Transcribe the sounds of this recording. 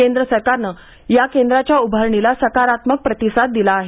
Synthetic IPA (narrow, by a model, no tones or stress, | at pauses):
end̪ɾəsəɾkaɾnəː | jakend̪ɾat͡ɕjaubʱəɾɳilasəkaɾat̪mək̚pɾət̪isat̪̚d̪ilaːɦe